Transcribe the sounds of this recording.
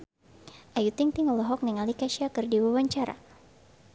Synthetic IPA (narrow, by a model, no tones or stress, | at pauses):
ʔajut̪iŋt̪iŋɔlɔɦɔk̚niŋalikaʃiakɨrdiwawaɲt͡ʃaɾa̰